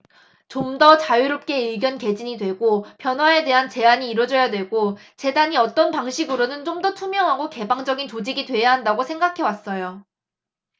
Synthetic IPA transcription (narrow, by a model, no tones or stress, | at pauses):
t͡ɕomdʌt͡ɕajuɾop̚k͈e̞iɭɡjʌnke̞d͡ʑiɲidwe̞ɡopʰjʌnɦwae̞de̞ɦant͡ɕe̞aɲiːɾwʌd͡ʑʌjadwe̞ɭɡo | t͡ɕe̞daɲiʌt͈ʌnpaŋɕʰiɡɯɾonɯnt͡ɕomdʌtʰumjʌŋɦaɡoke̞baŋd͡ʑʌɡint͡ɕod͡ʑiɡidwe̞jaɦandaɡosʰe̞ŋɡakʰe̞was͈ʌjo